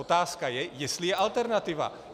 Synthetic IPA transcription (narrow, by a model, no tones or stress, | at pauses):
ot̪aːskajɛjɛst̪lɪjɛʔalt̪ɛɾnat̪ɪva̰